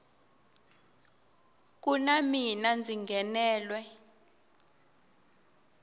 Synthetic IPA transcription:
k̬unaminand͡ziŋɡɛnɛːlwɛ

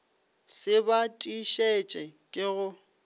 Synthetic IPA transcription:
sɪbatʼiʃɛt͡ʃʼɛkʼɪɣʊ

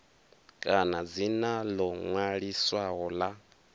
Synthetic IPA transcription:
kʼanad͡zinalɔŋwaɺiswaɣɔla

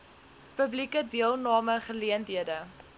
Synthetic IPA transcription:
pəblikədiəlˠnɑːməχəliəntɦiədə

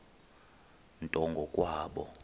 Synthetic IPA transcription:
ntʼɔŋɡʱɔkʼwaːɓɔ̰

